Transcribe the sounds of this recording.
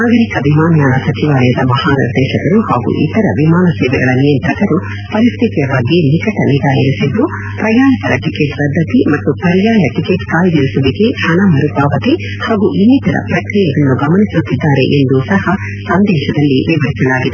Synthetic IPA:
naːɡɐɾikɐʋimaːnɐjaːnɐsɐt͡ʃiʋaːlɐjɐd̪ɐmɐhaːnḭɾd̪ɛːʃɐɡɐɾuhaːɡṵʔḭt̪ɐɾɐ̰ʋimaːnɐsɛːʋɛɡɐɭɐnijɐnt̪ɾɐkɐɾu | pɐɾist̪ʰit̪ijɐʋaːɡinikɐʈɐnid̪aːjɐɾisid̪ːu | pɾɐjaːnik̪ɐɾɐʈikeʈpɐd̪ʱːɐt̪imɐt̪ːupɐɾijaːjɐʈikeʈkaːjd̪iɾisuʋiɡe̞ɐnamɐɾubaːʋɐt̪e | haːɡuʔinːit̪ɐɾɐ̰pɾɐkɾijɐɡɐnːuɡɐmɐnisut̪ːid̪ːaːɾe̞̰ʔend̪usɐhɐ | sɐnd̪ɛːʃɐd̪ɐlːiʋiʋɐɾisɐlaːɡid̪e

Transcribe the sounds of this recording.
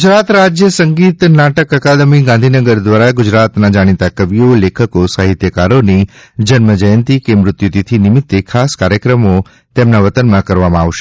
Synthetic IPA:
ɡʊd͡ʒɾat̪ɾad͡ʒjəsəŋɡit̪naʈəkəkad̪əmiɡãnd̪ʱinəɡəɾd̪ʋaɾaɡʊd͡ʒɾat̪nad͡ʒaɽ̃it̪akəʋijolekʰəkosaɦɪt̪jəkaɾonid͡ʒənməd͡ʒəjənt̪ikemɾʊt̪jut̪it̪ʰinɪmɪt̪ːekʰaskaɾjəkɾəmo | t̪emnaʋət̪ənmãkəɾʋamãaʋʃe

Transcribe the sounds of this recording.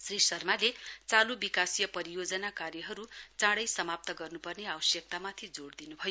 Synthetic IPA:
srisʌrmalet͡salubikasijʌpʌɾijod͡zʌnakarjʌɦʌɾut͡sãɽʌjsʌmap̚t̪ʌɡʌrnupʌrneawʌsjʌk̚t̪amat̪ʰid͡zoɽd̪inubʱʌjo

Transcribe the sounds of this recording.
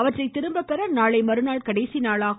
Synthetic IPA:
ɐʋɐʈrɐɪt̪ːɪɾɯmbɐpːɛɾɐnaːɭɐɪmɐɾɯnaːɭkɐɽɐɪsinaːɭaː

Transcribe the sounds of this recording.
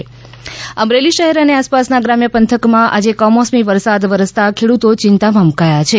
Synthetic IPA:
əmɾeliʃəɦɛɾəneaspasnaɡɾamjəpənt̪ʰəkmãʔa̰d͡ʒekɔmɔsmiʋəɾsad̪ʋəɾəst̪akʰeɽut̪ot͡ʃɪnt̪amamukajat͡ʃʰe

